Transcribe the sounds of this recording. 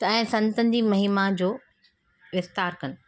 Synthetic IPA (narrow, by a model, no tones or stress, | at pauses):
t̪ɐɛ̃ːsɐ̃nt̪ə̃nd̪imɐɦiːmad͡ʑoː | ʋɪft̪aːɾkɐnɪ̆